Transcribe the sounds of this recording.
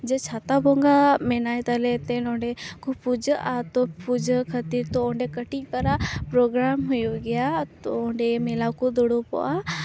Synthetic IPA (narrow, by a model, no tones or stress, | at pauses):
d͡ʒɛt͡ʃʰat̪abɔŋɡamɛnajt̪əlɛt̪ɛnɔ̃ɳɖɛkupud͡ʒəʔat̪ɔpud͡ʒəkʰət̪iɾt̪ɔɔ̃ɳɖɛkəʈikəɾapɾɔɡɾamɦujoɡɛjat̪ɔɔɳɖɛmɛlakɔd̪ɔɽɔpɔ̰ʔa